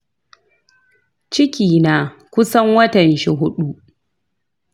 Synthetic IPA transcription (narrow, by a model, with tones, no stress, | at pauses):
t͡ʃɪ˦kʲiː˨naː˨ | kʷʊ˦sɐ˦ŋwɐ˦tɐ˨nʃi˦ɦʊ˦ɗu˦ʔ